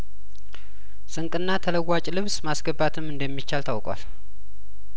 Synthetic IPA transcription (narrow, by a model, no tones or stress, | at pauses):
sʼɨŋkʼɨnːat̪ʰələwːat͡ʃʼlɨβsmasɡəbːat̪ʰɨmːɨnd̪əmːit͡ʃːalt̪ʰawkʼwa̰l